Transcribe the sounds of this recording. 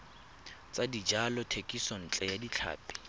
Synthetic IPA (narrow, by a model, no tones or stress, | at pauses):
t͡sʼadid͡ʒalɔtʰekʼisɔn̩t͡ɬʼɛjadit͡ɬʰa̰ːpʼi̥